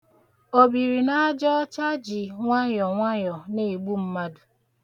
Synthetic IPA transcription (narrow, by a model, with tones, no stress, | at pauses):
o˨bi˨ɾi˨na˦a˦d͡ʒɔ˦t͡ʃa˦d͡ʒi˨ŋʷa˦jɔ˨ŋʷa˦ɲɔ˨ne˨ɡ͡bu˦m̩˦ma˦dʊ˨